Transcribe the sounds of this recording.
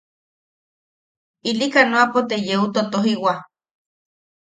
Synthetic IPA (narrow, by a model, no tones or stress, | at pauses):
ilikanoapot̪ejeut̪ot̪oɦiwa